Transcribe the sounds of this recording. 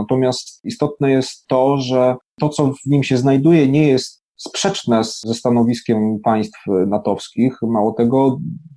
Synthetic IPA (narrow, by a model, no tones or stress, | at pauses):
nat̪ɔmʲjast̪ist̪ɔt̪nɛjɛst̪ːɔʐɛt̪ɔt̪sɔvɲimɕɛznajd̪ujɛɲɛjɛst̪ | spʂɛt͡ʂnɛszɛst̪anɔvʲiskʲɛmpaj̃st̪fnat̪ɔfskʲixmawɔt̪ɛɡɔ